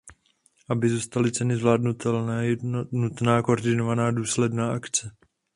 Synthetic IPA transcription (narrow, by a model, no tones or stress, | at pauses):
ʔabɪzuːst̪alɪt͡sɛnɪzvlaːdnut̪ɛlnɛːjɛnut̪naːkooɾdɪnovanaːduːslɛdnaːʔakt͡sɛ